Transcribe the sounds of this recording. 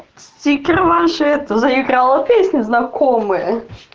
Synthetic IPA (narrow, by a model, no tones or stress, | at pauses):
sʲt͡sʲikʲɪrvaʂɨɛt̪əzəɪɡɾalˠəpʲesʲnʲɪznɐkʰomɨjə